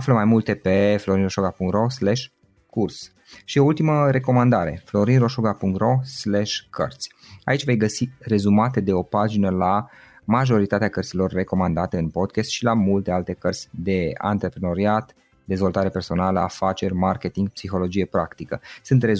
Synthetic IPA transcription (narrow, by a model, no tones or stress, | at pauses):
afləmajmult̪e̞pe̞flo̞ɾinroʃoɡapuŋkt̪ro̞sleʃ | kurs | ʃioult̪iməɾe̞ko̞mand̪aɾe̞̰flo̞ɾinro̞ʃoɡapuŋkt̪ro̞sleʃkʰə̰rt̪sʲ | a̰it͡ʃʲve̞jɡəsire̞zumat̪e̞d̪e̞o̞pad͡ʒinəla | maʒo̞ɾit̪at̪eakərt̪silo̞rːe̞ko̞mand̪at̪e̞ɨnpo̞d̪̚kʲest̪ʃilamult̪e̞alt̪e̞kərt̪sʲd̪e̞a̰nt̪ɾe̞pɾeno̞ɾiat̪ | d̪e̞zvo̞lt̪aɾe̞pe̞rso̞naləa̰fat͡ʃe̞rʲmarke̞t̪iŋɡpsixo̞lo̞d͡ʒije̞pɾakt̪ikəsɨnt̪re